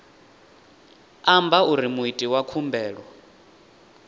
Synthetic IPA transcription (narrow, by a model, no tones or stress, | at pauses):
ambauɾimuitʼiwakʰumbɛːɺɔ